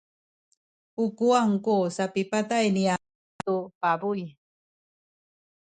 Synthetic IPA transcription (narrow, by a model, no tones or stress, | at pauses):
ukuaŋkusapipatajnia | upabuj